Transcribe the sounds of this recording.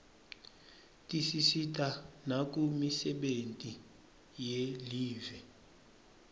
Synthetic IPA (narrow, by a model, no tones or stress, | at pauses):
tʼisisitʼanak̬ʼumisɛɓentʼi | jeliːvɛ